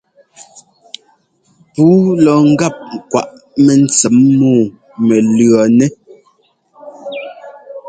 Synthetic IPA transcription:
puː˨˦lɔ˨ŋ̩˦ɡa˦˨p̚ŋ̩˨kwa̰˨ʔ | mɛ˨n̩˨t͡sɛ˨˦mːɔː˦˨ | mɛ˨lɰɔ˨nɛ˦

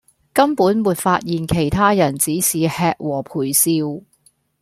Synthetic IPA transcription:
kɐ˥mpuː˨˥nmwuː˨t̚faː˧t̚jiː˨nkʰe˨˩jt̪ʰaː˥jɐ˨˩nt͡siː˨˥siː˨hɛː˧k̚wɔː˨˩pʰuː˨˩jsiː˧w

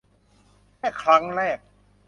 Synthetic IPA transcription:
ɛː˥˩kʰɾa˦˥ŋɾɛː˥˩k̚

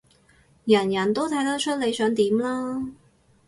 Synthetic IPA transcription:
jɐ˨˩njɐ˨˩nt̪o˥wt̪ʰɐ˨˥jt̪ɐ˥t͡ʃʰɵ˥t̚le˨˧jsœː˨˥ŋt̪iː˨˥mlaː˥

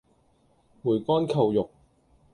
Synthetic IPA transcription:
muː˨˩jkɔː˥nkʰɐ˨wjʊ˨k̚

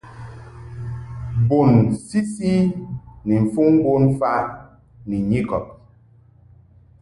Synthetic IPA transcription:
bo˨nsi˦si˦ni˨ɱ̩˨fu˦ŋ˦bo˦nfa˦ʔ | ni˨ɲi˦˨kɔ̰˨p̚

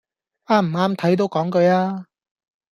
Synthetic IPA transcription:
aː˧˥m̩˨˩aː˥mt̪ʰɐ˨˥jt̪̬o˨˧wkɔː˨˥ŋkɵ˨˧ɥaː˧

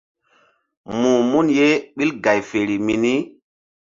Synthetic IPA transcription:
mu˨mu˦nje˦ɓi˦lɡa˨jfe˨ɾi˨mi˨ni˦

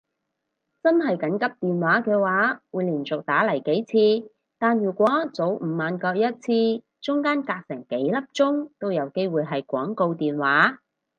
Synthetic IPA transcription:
t͡sɐ˥nɦɐ˨jkɐ˨˥nkɐ˥p̚t̪iː˨nwaː˨˥kɛː˧waː˨˥wuː˨˧jliː˨˩nt͡sʊ˨k̚t̪aː˨˥lɐ˨˩jke˨˥jt͡sʰiː˧ | t̪aː˨nɥyː˨˩kʷwɔː˨˦˥t͡so˨˥wm̩ː˨˩maː˨˧nkɔː˧k̚jɐ˥t̚t͡sʰiː˧ | t͡sʊ˥ŋkaː˥nkaː˧k̚sɪ˨˩ŋke˨˥jlɐ˥p̚t͡sʊ˥ŋt̪o˥wjɐ˨˧wke˥jwuː˨jɦɐ˨jkʷɔ̰ː˨˥ŋko˧wt̪iː˨nwaː˨˥

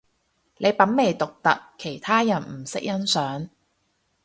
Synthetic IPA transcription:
le˨˧jpɐ˨˥nme˨˩jt̪ʊ˨k̚t̪ɐ̰˨kʰːe˨˩jt̪ʰaː˥jɐ˨˩nm̩˨˩sɪ˥k̚jɐ˥nsœː˨˥ŋ

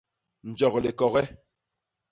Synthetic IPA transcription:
n̩˨d͡ʒɔ˨kle˨kɔ˨ɣɛ˦

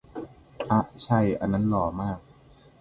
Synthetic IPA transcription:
ʔa˦˩ʔt͡ɕʰa˥˩jʔa̰˧nːa˦˥nlɔː˨˩˦maː˥˩k̚

